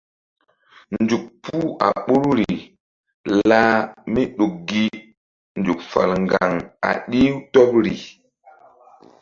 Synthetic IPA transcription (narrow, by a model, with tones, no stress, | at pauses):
nd͡ʒu˨k̚pu˦a̰˨ɓu˦ɾɾi˨ | la˦mi˦ɗu˨k̚ɡi˦ | n˨d͡ʒu˨k̚fa̰˨lŋɡa˨ŋa̰˨ɗi˦wtɔ˦p̚ɾi˨